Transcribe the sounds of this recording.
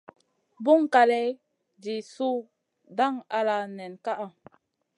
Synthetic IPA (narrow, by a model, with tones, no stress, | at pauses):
bu˦ŋka˨lɛ˦ | d͡ʒi˨su˦ | da˦˨ŋa˨la˨nɛ˨nka˦ʔa˨